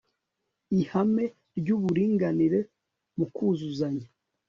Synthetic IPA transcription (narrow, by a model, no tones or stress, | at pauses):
ihame̞ | ɾɟuβuɾiːŋɡaniɾe̞ | mukuːzuzaɲa